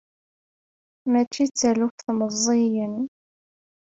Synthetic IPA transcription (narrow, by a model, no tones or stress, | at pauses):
mæt͡ʃːit͡sːælufθməzˤːijən